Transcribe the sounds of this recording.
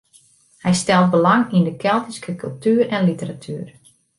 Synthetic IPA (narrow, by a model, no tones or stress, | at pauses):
hɛjstɛlˠt̚bəlaŋindəkʰɛlˠtiskʰəkylˠtyːɾɛnlitəɾatʰyːr